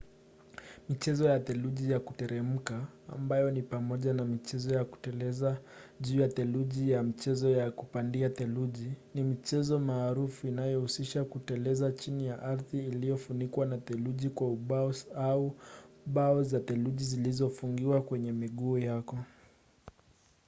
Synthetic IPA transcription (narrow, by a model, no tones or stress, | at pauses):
mit͡ʃɛzɔjat̪ɛluʄijakutɛɾɛm̩ka̰ːmbajɔnipamɔʄanamit͡ʃɛzɔjaku̥tɛlɛzaʄuːjat̪ɛluʄijamit͡ʃɛzɔjakupandiatɛluʄinimit͡ʃɛzɔmaːɾufuinajɔhusiʃakutɛlɛzat͡ʃinijaʔaɾðiːlijɔfunikwanat̪ɛluʄikwauɓaɔauɓaɔzat̪ɛluʄizilizɔfuŋɡiwakwɛɲɛmiɠuːjakɔ